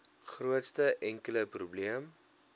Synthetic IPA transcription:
χruətstəʔɛŋkələprubliəm

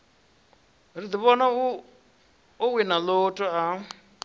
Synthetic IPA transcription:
rid̪iβɔna | uwinalotʼɔa

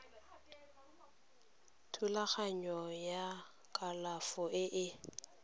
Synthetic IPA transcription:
tʰulaχaɲɔja | kʼalafɔʔɪʔɪ

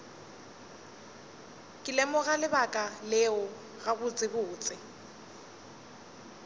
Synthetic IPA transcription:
kʼɪlɛmʊɣalɪbakʼalɛʊ | ɣaɣʊt͡sʼɪbʊːt͡sʼɪ

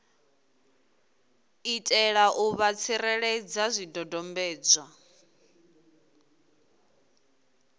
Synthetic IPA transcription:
itʼɛɺaʔuβat͡sʰiɾɛɺɛd͡zazʷidɔdɔmbɛːd͡za

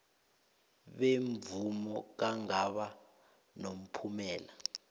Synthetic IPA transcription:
ɓeɱvumɔk̬aŋaɓa | nom̩pʰumɛːla

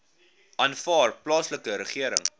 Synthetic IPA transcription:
ʔɑnfɑːrplɑːsləkəɾəχiəɾə̰ŋ

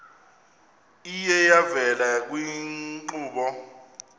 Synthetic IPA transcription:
ijɛjavɛlak̬wiǃuːɓɔ

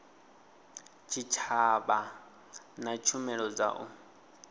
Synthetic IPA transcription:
t͡ʃʰit͡ʃʰaba | nat͡ʃʰumɛɺɔd͡za̰ʔu

